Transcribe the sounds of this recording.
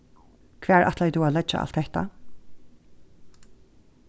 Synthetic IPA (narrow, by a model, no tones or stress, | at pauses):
kʰv̥ɛːɹʔa̰t̪lɛjt̪uːaːlɛd͡ʒa̰a̰lt̪hɛht̪a̰